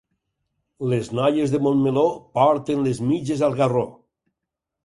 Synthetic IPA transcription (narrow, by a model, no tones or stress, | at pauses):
leznɔjezðemonmelopaɾt̪enlezmid͡ʒezalˠɣaro